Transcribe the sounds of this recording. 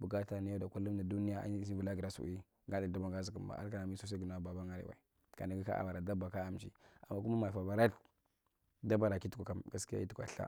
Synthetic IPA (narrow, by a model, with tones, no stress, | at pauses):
bu˨ɡa˦ta˨ni˦ja˦da˨ku˦lu˦mda˨du˦ni˦ja˦a̰˦si˦vu˨la˦ɡi˨ɾa˦sṵ˨ʔi˦ | ŋɡa˦di˨da˦ba˦ŋɡa˦zi˨ku˨mba̰˨ʔa˦ka˦na˨mi˦su˦s̬a˦ɡu˨n˨a˦ba˨ba˦ŋa˦ɾḭ˨wa̰˨i˨ | ka̰˨na˨ɡi˦ka̰˦ʔa̰˨wa˨ɾa˨da˦ba˨ka˦a˨m˨t͡ʃḭ˦a̰˨mːa˦ku˦ma˦ma˨fa˨ba˨ɾa˦ɬ | da˦ba˦ɾa˨ki˦tu̥˦kʷa˨ka˨mɡa˦ski˦a̰˦i˦tu˦a̰˨ɬa̰˦